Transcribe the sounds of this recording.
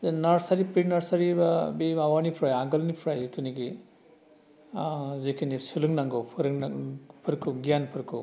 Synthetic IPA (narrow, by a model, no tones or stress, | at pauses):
naɾsaɾipɾinaɾsaɾibabemawanipʰɾajaŋɡɐlnipʰɾajtʰuniɡi | zekʰinisulɯŋnaŋɡɯpʰɯɾɯŋpʰɯɾkʰɯɡijanpʰɯɾkʰɯ